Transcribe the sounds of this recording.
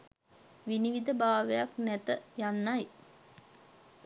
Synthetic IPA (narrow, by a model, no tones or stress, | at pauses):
ʋiniʋid̪əbaːʋəjaknɛt̪əjanːaj